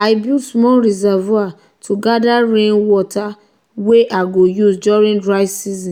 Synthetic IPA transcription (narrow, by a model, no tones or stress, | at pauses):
aɪbismɔlɹizava | tʰuɡadaɹẽnwɔtʰa | weʔaɡojusd͡ʒɔɹĩndɹaɪsizɔ̃